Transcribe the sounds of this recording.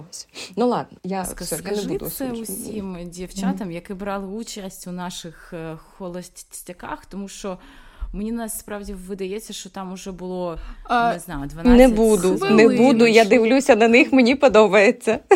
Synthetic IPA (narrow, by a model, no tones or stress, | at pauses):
sʲnulˠɑd̪̚nɔjaskɐk̪ɛd̪̰sɛusʲimdʲiwt͡ʃat̪ɐmjɐkɪbɾɑlˠɪut͡ʃɐsʲtʲunɑʃɪxːɔlˠɔsʲtʲɐkɑ̰xt̪ɔmuʃt͡ʃɔmenʲinɑsspɾɑwdʲiʋɪd̪ɐjɛt͡sʲːɐʃt͡ʃɔt̪ɑmʊʒɛbʊlˠɔnɛznɑjʊd̪ʋɐnnnɛbud̪ʊnɛbud̪ʊjad̪ɪʋlʲusʲɐnɐnɪxmenʲipɔd̪ɔbɐjet͡sʲːɐ